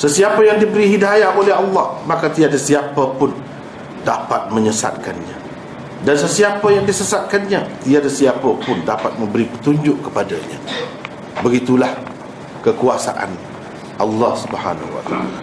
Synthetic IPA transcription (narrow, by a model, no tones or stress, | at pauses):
səsiapəjaŋdibəɾihidajaolɛɦɑlːɑhmakat̪iadasiapəpʊn | dapat̪̚mə̃ɲəsa̰t̪̚kanɲa̰ | dans̬əsiapəjaŋdisəsat̪̚kanɲat̪iadasiapəpʊndapat̪̚mə̃mbəɾipət̪uɲd͡ʒʊʔkːəpadaɲa̰ | bəɡit̪ulah | kəkuasa̰ʔa̰n | ʔɑ̰lːɑhsubha̰na̰hua̰t̪a̰a̰la